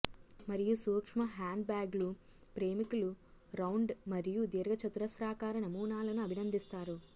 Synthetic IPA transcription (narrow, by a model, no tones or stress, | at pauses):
mɐɾijusuːkʂmɐɦaːɳɖ̚baːɡlu | pɾe̞ːmikuluɾɐwɳɖmɐɾijud̪iɾɡɐt͡ʃɐt̪uɾɐsɾaːkaːɾɐnɐmuːnaːlɐnuɐbʱinɐnd̪ist̪aːɾu